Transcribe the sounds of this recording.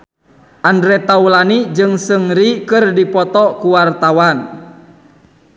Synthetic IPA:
ʔandɾɛt̪aulanid͡ʒɨŋsɨŋɾikɨrdipɔt̪ɔkuwart̪awan

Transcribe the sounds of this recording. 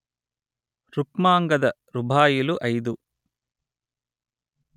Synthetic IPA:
ɾukmaːŋɡɐd̪ɐ | ɾubʱaːjuluʔɐjd̪u

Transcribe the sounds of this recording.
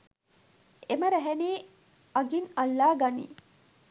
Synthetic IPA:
emɐɾæɦeniː | ɐɡinɐlːaːɡɐnḭː

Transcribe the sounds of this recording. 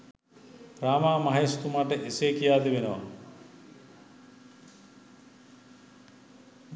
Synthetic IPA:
raːmaːmaɦajst̪umaʈəʔeseːkijaːd̪eʋenəʋa̰

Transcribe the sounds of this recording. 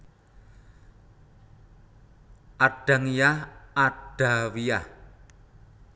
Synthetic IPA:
ʔaɖ̥a̤ŋijahʔaɖ̥a̤wijah

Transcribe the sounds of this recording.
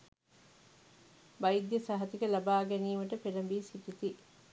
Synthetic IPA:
bɐjid̪jɐsɐɦɐt̪ikəlɐbaːɡæniːʋɐʈəpelɐmbiːsiʈit̪i

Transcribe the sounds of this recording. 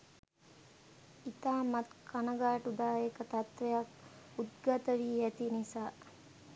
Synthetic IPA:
it̪aːmat̪kʰanəɡaːʈud̪aːjekət̪at̪ʋejakud̪ɡat̪əʋiːjɛt̪inisaː

